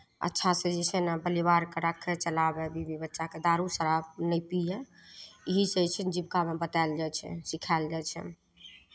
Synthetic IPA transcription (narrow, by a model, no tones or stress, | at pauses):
ə̰tːʃʰased͡ʒɛsenabəlibaɾkeɾakʰːet͡ʃəlabebibibətːʃaked̪aɾusəɾab̚nəpijeiɦisɛt͡ʃʰɛnd͡ʒibkamebət̪ald͡ʒajt͡ʃʰɛ̰̃sikʰaeld͡ʒat͡ʃʰɛ̰